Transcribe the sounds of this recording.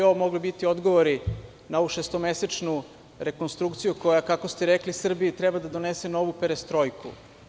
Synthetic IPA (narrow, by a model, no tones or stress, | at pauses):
omo̞ɡlibit̪io̞d̪ɡoʋoɾi | nao̞ʋuʃest̪ome̞set͡ʃnu | ɾe̞ko̞nst̪ɾukt̪sijuko̞jakakost̪eɾeklisr̩biit̪ɾɛbad̪ad̪o̞nese̞no̞ʋupeɾest̪ɾo̞jkṵ